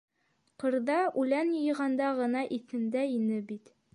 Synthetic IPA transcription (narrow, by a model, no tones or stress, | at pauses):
qɤ̆ɾðɑʔʉlænjɤ̆jɤ̆ʁɑnd̪ɑʁɤ̆nɑʔiθɘ̆nd̪æinɘbit̪